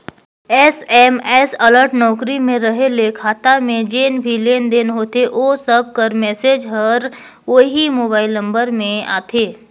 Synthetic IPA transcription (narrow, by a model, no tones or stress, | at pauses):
ɛːsɛːmɛːsɐləɾʈnɔːkɾimẽɾɐɦelekʰaːt̪amẽd͡ʒeːnbʱileːnd̪eːnɦoːt̪eʔoːsəb̚kəɾmɛːseːd͡ʒɦəɾ | ʋoːɦimoːbaːɪlnɐ̃mbəɾmẽa̰ːt̪ʰeː